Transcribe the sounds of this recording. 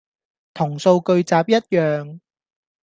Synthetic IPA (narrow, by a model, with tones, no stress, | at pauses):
t̪ʰʊ˨˩ŋso˧wkɵ˧ɥt͡saː˨p̚jɐ˥t̚jœː˨ŋ